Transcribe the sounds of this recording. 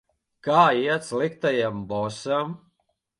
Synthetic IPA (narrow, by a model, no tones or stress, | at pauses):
kaːiɛt̪slikt̪ajambɔsam